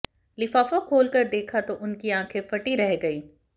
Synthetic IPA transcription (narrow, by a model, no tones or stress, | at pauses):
lɪfaːfokʰoːlkɐɾd̪eːkʰat̪oʔʊnkiãːkʰẽfɐʈiɾɛɦɡɐiː